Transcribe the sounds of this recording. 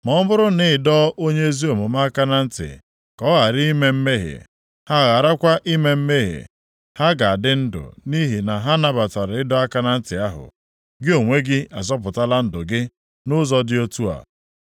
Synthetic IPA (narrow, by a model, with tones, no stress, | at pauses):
mɔ˨˦mʊ˦ɾʊ˦nɪ˦ɪ˨dɔ˦o˦ɲe˦e˦zi˦o˨mʊ˨ma˦ka˦na˦n̩˦tɪ̰˨ | kɔ˦ɣa˨ɾi˦i˦me˦m̩˦me˦ɦḛ˨ | ha˦˨ɣa˨ɾa˦kʷa˦ʔi˦me˦m̩˦me˦ɦḛ˨ | ha˦ɡa˨a˨dɪ˦n̩˦dʊ̰˨ni˦ɦi˨na˨ɦa˦na˦ba˨ta˨ɾɪ˦dɔ˦a˦ka˦na˦n̩˦tɪ˨a˦ɦʊ̰˨ | ɡɪ˦o˨ŋʷe˦ɡɪ˦a˨zɔ˦p̬ʊ˨ta˦la˦n̩˦dʊ˨ɡɪ˦ | nʊ˦zɔ˦dɪ˦o˦tu˦a̰˨